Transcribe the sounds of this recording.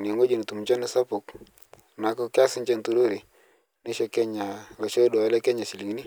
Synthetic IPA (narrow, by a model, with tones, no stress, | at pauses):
ni˨ŋo˦d͡ʒo˨ni˨t̪u˨m˨t͡ʃɔ˦nɪ˦sa˦pʊ˨k | na˨kɔ˦kɪ˦a˦sɪ˦ɲt͡ʃe˦˨nt̪u˦ɾo˦ɾi˨ | nɪ˦ʃɔ˨kɛ˦ɲa˨lɔ˨t͡ʃo˦do˨a˨˦lɛ˦kɛ˦ɲa˨si˨li˨ŋ˦ni˦